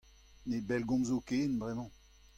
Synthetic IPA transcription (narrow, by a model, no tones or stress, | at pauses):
nebɛlɡɔ̃mzokeːnbʁɛmɑ̃